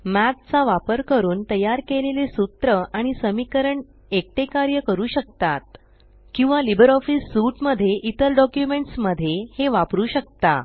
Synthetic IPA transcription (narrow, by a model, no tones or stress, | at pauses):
mæt̪̚t͡saʋapəɾkəɾuːnt̪əjaɾkelelesut̪ɾəaɽ̃isəmikəɾəɳ | ek̚ʈekaɾjəkəɾuːɕək̚t̪at̪̚ | kĩw̃ʋalibəɾɔfisːuʈməd̪ʱːjeʔit̪əɾɖɔkjumeɳʈsməd̪ʱːjeheʋapɾuːɕək̚t̪a̰